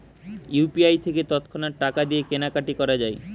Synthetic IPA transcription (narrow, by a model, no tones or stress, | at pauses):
jupiajt̪ʰeket̪ɔt̪kʰonaɾʈakad̪iekenakaʈikɔɾad͡ʑae